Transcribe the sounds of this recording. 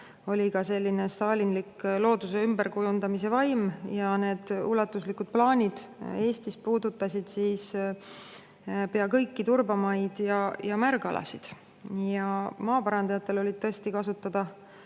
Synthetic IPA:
o̞lʲikɑse̞lʲːine̞st̪ɑːlinliklo̞ːd̪use̞ymbeɾkujund̪ɑmis̬e̞vɑjmjɑne̞ːd̪̥ulːɑt̪ːˑuslikud̪̥̚plɑːnʲid̪̥e̞ːst̪is̚puːd̪ut̪ːˑɑsʲid̪̥siːs | pe̞ɑkɤjkːit̪urbɑmɑid̪̥jɑjɑmærɡɑlʔɑ̰sid̪̥ | jɑmɑːpɑɾɑnd̪ɑjɑt̪ːˑe̞lo̞lʲid̪̚t̪ɤest̪ikɑsut̪ːˑɑd̪̥ɑ

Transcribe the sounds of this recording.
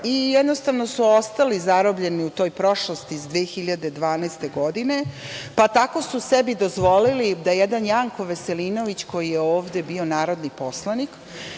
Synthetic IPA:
ijɛd̪no̞st̪aʋno̞suo̞st̪alizaɾobʎe̞niut̪o̞ːjpɾo̞ʃlost̪izd̪ʋeːxiʎad̪e̞d̪ʋaːnast̪e̞ɡo̞d̪ine̞pat̪ako̞susebid̪o̞zʋo̞lilid̪ajejed̪anjaːŋko̞ʋe̞seliːno̞ʋit͡ɕko̞jijeo̞ːʋd̪e̞bio̞naːɾo̞d̪nipo̞slˠanik

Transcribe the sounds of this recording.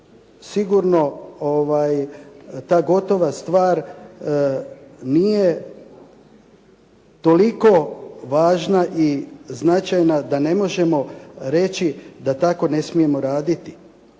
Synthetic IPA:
siɡuɾno̞oʋaːjt̪aːɡo̞t̪o̞ʋast̪ʋaːɾ | nije̞ | t̪o̞liko̞ʋaːʒnaʔiznat͡ʃajnad̪ane̞mo̞ʒe̞mo̞ɾe̞t͡ʃid̪at̪ako̞ne̞smije̞mo̞ɾaːd̪it̪i̥

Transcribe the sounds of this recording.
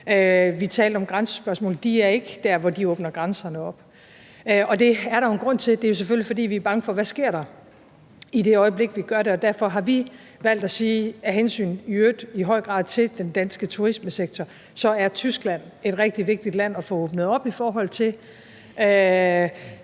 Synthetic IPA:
øʋit͡sʰɛːld̥ɒ̽mɡ̥ʁɑnsə̥sb̥ɶɐsmɔ̰ːl̩d̥iæɐe̝ɡ̥d̥æɐ̰ʋɒdiɔːb̥nɐɡ̥ʁɑnsɐnəɒ̽b̥ | ʔɒ̽d̥e̝æɐɾɑ̈jo̝nɡ̥ʁɔ̽n̰t͡sʰe̝d̥e̝æjo̝s̬efølifɒ̽d̥ḭːʋiæɐb̥ɑ̈ŋəfɒ̽ʋæsɡ̥e̝ɐ̰ɾ̥ɑ̈ | ide̝ɒ̽ɪəble̝ɡ̥ʋiɡ̥ɶɐɾe̝ɒ̽d̥æɐ̰fɒ̽ɦɑ̈ʋi | ʋæl̰d̥æsiːæɦensy̰ːnyød̥iɦɒ̽ɪ̰ɡ̥ʁɑ̰̈ːð̰ˠt͡sʰe̝ld̥end̥ænsɡ̥ət͡sʰuʁisməseɡ̥̚t͡sʰɒ | sɒ̽æɐt͡sʰysɡ̥læn̰e̝d̥ʁɛɡ̥̚d̥iʋe̝ɡ̥̚d̥id̥læn̰ɒ̽fɔ̽oːb̥nð̞̩ˠɒ̽b̥ifɒːɦɒ̽l̰t͡sʰe̝l | ʔø

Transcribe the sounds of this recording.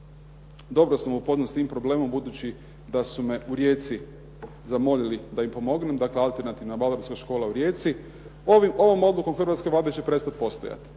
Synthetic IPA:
d̪o̞bɾosamupo̞znat̪st̪iːmpɾo̞ble̞ːmo̞mbud̪ut͡ɕi | d̪asumeʔuɾje̞ːt̪si | zamo̞ʎilid̪aimpo̞mo̞ɡne̞md̪aklealˠt̪e̞ɾnat̪iʋnabaloɾskaʃko̞ːlˠauɾje̞ːt̪si | oʋimo̞ʋo̞mo̞d̪luko̞mxrɾʋat̪ske̞ʋlaːd̪et͡ɕe̞pɾe̞st̪at̪̚po̞st̪o̞̰ja̰t̪

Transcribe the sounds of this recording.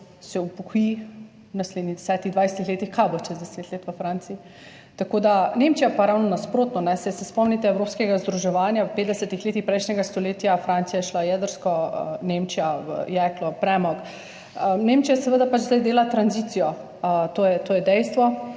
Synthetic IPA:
sɛupɔkji | wnasled̪niɣd̪ɛsɛːt̪iɣd̪ʋajsɛ̥t̪ixleːt̪ixkajboʃɛzd̪ɛset̪leːt̪ʋəfɾant̪siː | t̪akod̪anemt͡ʃijapaɾawnɔnaspɾoːt̪nɔnɛsɛsɛspɔmnit̪ɛɛwɾoːpskɛɡazd̪ɾuʒɛʋaːnjawpeːt̪̚d̪ɛsɛt̪ixleːt̪ixpɾɛjʃnɛɡast̪ɔleːt̪ijafɾant̪sijajɛʃlajɛd̪əɾskɔə̰nemt͡ʃijaʋə̰jɛklɔpɾɛmɔk | ənemt͡ʃijasɛʋəd̪apat͡ʃzd̪ajd̪eːlat̪ɾanzit̪sijɔ | t̪oːjɛt̪oːjɛd̪ɛjst̪ʋɔ

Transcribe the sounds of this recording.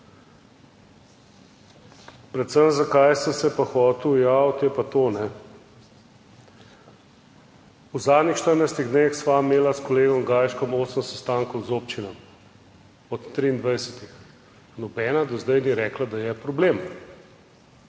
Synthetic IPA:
pɾɛt̪səmzakajsəmsɛpaxɔːt̪uwjaɔt̪jɛpat̪oːnɛ | uzaːd̪nixʃt̪əɾnajst̪iɣd̪neːxsʋameːlaskoleːɡɔmɡaːjʃkɔmoːsəmsɛst̪aːŋkɔwzoːpt͡ʃinɔ | ɔt̪ːɾiːnd̪ʋajsɛt̪ix | nɔbɛːnad̪ɔzd̪ajniɾɛːklad̪ajɛpɾobleːm

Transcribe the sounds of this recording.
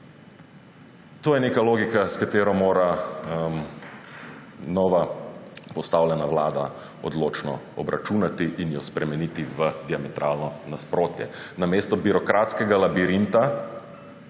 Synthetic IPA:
t̪oːjɛneːkaloːɡikaskat̪eːɾɔmoːɾa | nɔʋapɔst̪awlʲɛnaʋla̰ːd̪a̰ | ɔ̰d̪loːt͡ʃnɔ̰ɔbɾʔa̰t͡ʃuːnat̪iʔinjɔspɾɛmɛniːt̪iʋəd̪iamɛt̪ɾʔalnɔnaspɾoːt̪jɛ̰nameːst̪ɔbiɾɔkɾat̪skɛɡalabiɾint̪a

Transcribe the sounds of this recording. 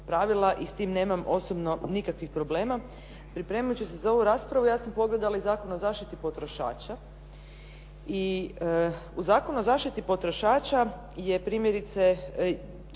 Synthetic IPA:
pɾaʋilˠaʔist̪iːmne̞ːmamo̞sobno̞nikakʋixpɾo̞ble̞ːma | pɾipɾe̞ːmjut͡ɕusezao̞ʋuɾaːspɾaʋujaːsampo̞ɡle̞d̪alaizaːkonozaːʃt̪it̪ipo̞t̪ɾo̞ʃa̰ːt͡ʃa | i | uzaːkonuozaːʃt̪it̪ipo̞t̪ɾo̞ʃaːt͡ʃa | je̞pɾiːmjeɾit̪se

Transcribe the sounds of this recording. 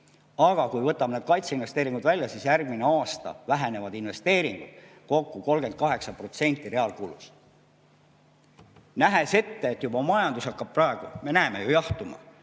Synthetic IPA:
ɑɡ̥ɑkujvɤt̪ːˑɑbned̪̥̚kɑjt̪seinve̞st̪e̞ːɾiŋɡud̪vælʲjɑsisjærɡ̥̚mine̞ɑːst̪ɑ̰væɦene̞vɑd̪inve̞st̪e̞ːɾiŋɡ̥ud̪̥ | ko̞kːuko̞lɡ̥e̞nd̪̚kɑɦe̞ksɑpro̞t̪se̞nʲt̪ːˑire̞ɑlkuːlṵs | næɦe̞se̞t̪ːeːt̪ːjubɑmɑjɑnd̪usɑkːɑb̥̚prɑeɡ̥ume̞næemejujɑht̪umɑ̰

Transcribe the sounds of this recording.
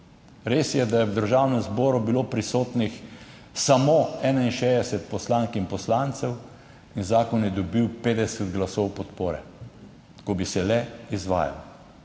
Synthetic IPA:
ɾeːsjɛd̪ajɛwd̪əɾʒaːwnɛmzbɔːɾubiloːpɾisoːt̪nix | samoɛːnainʃeːd̪ɛsɛt̪̚pɔslaŋkinpɔslaːnt̪sɛw | inzaːkɔnjɛd̪ɔbiwpeːd̪ɛsɛd̪ɡlasɔwpɔt̪poːɾɛ | kɔbisɛlɛizʋa̰ːja̰w

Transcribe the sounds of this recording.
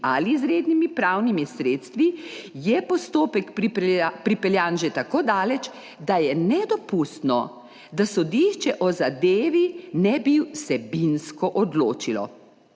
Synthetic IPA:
a̰lizɾeːd̪nimipɾawnimisɾeːt̪st̪ʋijɛpɔst̪oːpɛk | pɾipɛljaːnʒɛt̪akoːd̪aːlɛt͡ʃ | d̪ajɛnɛd̪ɔpust̪nɔ̰ | d̪asɔd̪iʃt͡ʃɛʔɔzad̪eːʋinɛbisɛbinskɔʔɔd̪loːt͡ʃilɔ̰

